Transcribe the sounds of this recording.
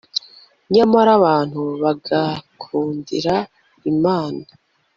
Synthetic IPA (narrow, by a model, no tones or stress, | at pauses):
ɲamaɾaβaːn̥huβaɡakʰuːndḭɾa | imaːna